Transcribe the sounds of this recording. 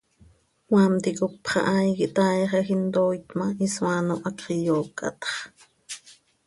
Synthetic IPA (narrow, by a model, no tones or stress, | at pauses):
waːmt̪ikok̚pχɑ̰ʔajkiʔt̪aːjχɑxint̪ojt̪maʔiswaːnoʔɑkijoːkʼɑ̰t̪χ